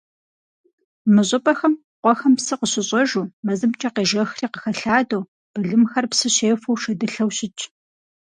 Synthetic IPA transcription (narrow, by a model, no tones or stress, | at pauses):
mɨʑʼɨpʼɐxɐm | qʷɔxɐmpsɨqəɕɪɕʼɐʒuːmɐzɨmt͡ʃʼɐqeːʒɐxriːqə̥xɐɬaːdow | b̥ɨɮɨmxɐrpsɨɕeːfɐwʃɐdɨɬɐwɕɪt͡ʃʼ